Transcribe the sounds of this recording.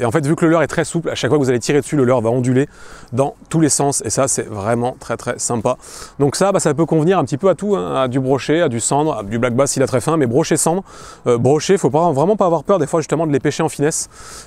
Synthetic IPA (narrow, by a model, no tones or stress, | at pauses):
eɑ̃fɛt̪vykləlœʁɛt̪χɛsuplaʃakfwakəvuzalet̪iʁed̪ə̥syləlœʁvaɔ̃d̪yled̪ɑ̃t̪ulesɑ̃sesasɛvʁɛmɑ̃t̪χɛt̪χɛsɛ̃pa | d̪ɔ̃ksabasap̬økɔ̃vniʁɛ̃pət̪ipøat̪uɛ̃ad̪ybʁɔʃead̪ysɑ̃d̪ʁa̰d̪yblaɡ̚basilat̪χɛfɛ̃mɛbʁɔʃesɑ̃d̪ʁøbʁɔʃefopavʁɛmɑ̃paːvwaʁpœʁd̪efwaʒyst̪əmɑ̃d̪əlepɛʃeɑ̃finɛs